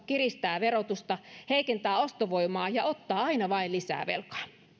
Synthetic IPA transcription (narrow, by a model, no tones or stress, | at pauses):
kirist̪æːʋerot̪ust̪ɑheikent̪æːost̪oʋoimɑːjɑot̪ːɑːɑinɑʋɑilisæ̰ːʋḛlkɑ̥ː